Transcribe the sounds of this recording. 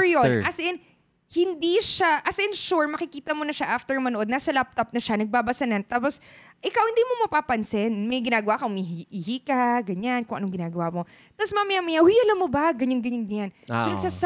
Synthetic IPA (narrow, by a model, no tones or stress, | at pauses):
jonʔɐsʔɛn | hɪnd̪iʃaʔɐsʔɪnʃuɹmɐkɪkiːt̪ɐmonɐʃaʔaft̪ɛɹmɐnoʔod̪naːsɐlap̚t̪op̚nɐʃanɐɡ̚baːbɐsɐnɐnt̪aːposʔɪkawhɪnd̪iːmomɐpapɐnsɛnmɐjɡɪnaːɡɐwakɐʊmiɦiʔiɦiːkɐɡɐɲankʊŋɐnoŋɡɪnaːɡɐwamo̞ | t̪aposmamɐjamɐjajɐlɐmːobɐɡɐɲanɡɐɲanɡɐɲansonɐɡ̥saːs